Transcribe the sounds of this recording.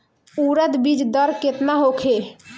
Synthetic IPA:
uɾət̪bid͡ʒd̪əɾket̪naɦokʰe

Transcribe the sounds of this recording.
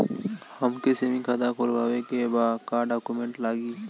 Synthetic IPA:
hɐmkesemĩkʰad̪akʰoːlɡaːwekebaːd̪kaɖaːkumẽɳʈlaːɡiː

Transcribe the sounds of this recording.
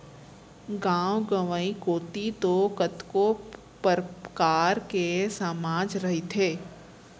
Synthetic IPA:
ɡãːwɡəʋəĩkoːt̪it̪okət̪ko | pəɾkaːɾkesamaːd͡ʒɾɐɦit̪ʰeː

